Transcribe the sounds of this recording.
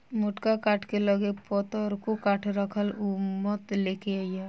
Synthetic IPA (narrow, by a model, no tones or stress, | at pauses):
mʊʈkakaːʈʰkeləɡepɔt̪əɾkokaːʈʰɾəkʰəlʊmmət̪leːkeaːja